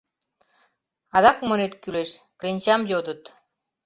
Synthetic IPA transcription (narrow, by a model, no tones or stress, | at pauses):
ɑd̪ɑkmonet̪kʲyleʃpɾʲenʲt͡ɕamjot̪ət̪